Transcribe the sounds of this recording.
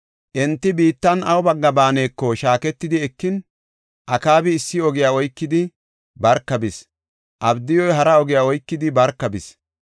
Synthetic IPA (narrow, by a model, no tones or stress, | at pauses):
ʔɛnt̪ːɪbiːt̪ːɐnɐwʊbɐɡːɐbaːne̞ːkːɔʃaːkɛt̪ːɪd̪ɪɛkːɪn | ʔɐkaːbɪːsːɪɔɡɪjaːɔjkːɪd̪ɪ | bɐɾkːɐbɪs | ʔɐbd̪ɪjɔjɦɐɾɐɔɡɪjaːɔjkːɪd̪ɪbɐɾkːɐbɪs